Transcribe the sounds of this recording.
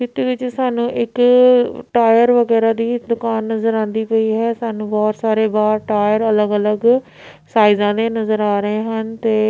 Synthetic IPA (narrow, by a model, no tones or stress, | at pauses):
kɪt̪eːɪt͡ʃsaːnũːʔɪk | ʈaːjəɾʋəɡɛːɾaːd̪iːd̪ʊkaːnːəzəɾãːnd̪iːpəiːɦɛːsaːnũːbɔːt̪saːɾeːbaːɾʈaːjəɾələɡələɡ | saːizãːd̪eːnəzəɾaːɾəɦeːɦənt̪eː